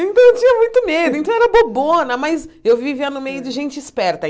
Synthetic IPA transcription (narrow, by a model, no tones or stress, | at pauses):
ẽt̪ɐ̃w̃ewt͡ʃĩɲɐmũj̃t̪ʊmed̪ʊẽt̪ɐ̃w̃ɛɾɐbobonɐmɐzewvivianʊmejʊd͡ʒɪʒẽnt͡ʃɪɪspɛɾt̪ɐ